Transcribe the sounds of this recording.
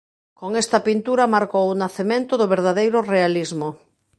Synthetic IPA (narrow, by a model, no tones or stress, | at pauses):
koŋest̪apint̪uɾamaɾkowunaθemẽnt̪oðoβeɾð̞aðejɾʊrealizmo